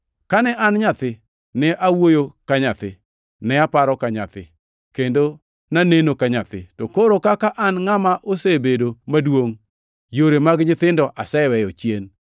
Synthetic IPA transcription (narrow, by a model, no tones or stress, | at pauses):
kanɛʔanɲat̪ɪ | nɛʔawojokaɲat̪ɪ | nɛapaɾɔkaɲa̰t̪ɪ̰ | kendo | nanenokaɲat̪ɪ̰tɔkoɾokakaʔanŋamaʔosebedomadwoŋ | joɾemaɡɲɪt̪ɪndɔʔasɛwɛjot͡ʃjen